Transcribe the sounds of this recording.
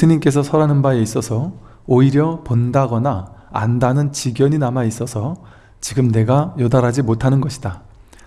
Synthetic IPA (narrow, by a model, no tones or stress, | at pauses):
esʰɯɲimk͈e̞s̬ʰʌsʰʌɾanɯnbae̞is͈ʌsʰʌ | oiɾjʌpondaɡʌnaa̰ndanɯnt͡ɕiɡjʌɲinamais͈ʌsʰʌ | t͡ɕiɡɯmne̞ɡajʌdaɾɦad͡ʑimotʰanɯnɡʌɕʰi̥d̥a